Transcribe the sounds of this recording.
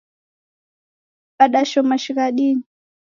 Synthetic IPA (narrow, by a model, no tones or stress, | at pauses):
ɓaɗaʃɔmaʃikaɗini